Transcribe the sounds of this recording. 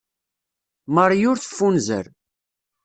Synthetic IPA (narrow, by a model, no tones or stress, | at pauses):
məɾˤjʊɾθə̥fːunzə̰ɾ